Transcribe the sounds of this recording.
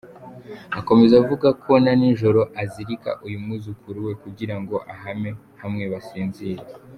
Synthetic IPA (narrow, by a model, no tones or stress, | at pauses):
ako̞me̞zavuɡakʰo̞naninʒo̞ɾo̞ʔaziɾika̰ʔujumuzukʰuɾuwe̞kuɟiɾaŋɡo̞ʔaɦame̞ | hamŋe̞βasiːnziːɾe